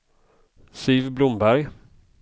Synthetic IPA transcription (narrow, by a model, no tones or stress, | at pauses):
sɪːvblʊmbæɾj